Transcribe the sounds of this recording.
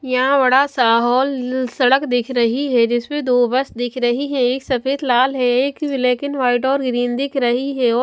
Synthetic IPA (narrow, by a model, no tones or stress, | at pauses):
jɐɦãbɐɽasaːɦɔːlsɐɽəkd̪ɪkʰɾɐɦiɦɛd͡ʒɪsmẽd̪oːbəsd̪ɪkʰɾɐɦiɦɛ̃eːksɐfeːd̪laːlɦɛeːkʋɪleːkɪnʋaːɪʈɔːɾɡɾiːnd̪ɪkʰɾɐɦiɦɛɔː